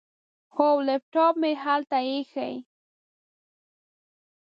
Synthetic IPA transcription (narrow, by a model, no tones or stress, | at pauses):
xowlep̚ʈ͡ʂawmɪxalt̪aɪxa̰j